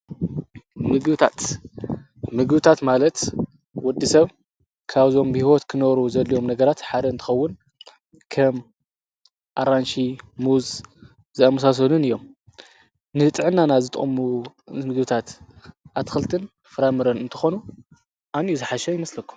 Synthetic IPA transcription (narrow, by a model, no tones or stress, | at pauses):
mɨɡbt̪ʰat̪ | mɨɡbɨt̪ʰat̪malɐt̪ | wɔd̪ːisɐβ | kʰaβzo̞mbihiwot̪kʰɨnɐβɾuzɐlːijo̞mnɐɡɐɾat̪ħad̪ɐɨnt̪ʰɨ̥xɐwːʊn | kʰɐm | ʔaɾanʃimuz | zɨamɐsas̬ɐlunɨjːo̞m | nɨɨt̪ʼʕɨnːanazɨt̪ʼɨ̰ʔʼmu | mɨɡbɨt̪ʰat̪ | ʔat̪ʰxɨlt̪ʰɨn | fɨɾamɨɾɐnɨnt̪ʰɨ̥xo̞nu | ʔanjuzɨħaʃɐjɪmɐslɐkʰːu̥m